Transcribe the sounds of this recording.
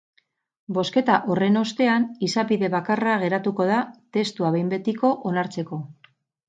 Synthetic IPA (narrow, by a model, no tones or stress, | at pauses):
bo̞ske̞t̪aʔo̞re̞no̞st̪e̞anisaβiðe̞βakaraɣ̞e̞ɾat̪uko̞ðat̪e̞st̪uaβejmbe̞t̪iko̞ʔonaɾt͡se̞ko̞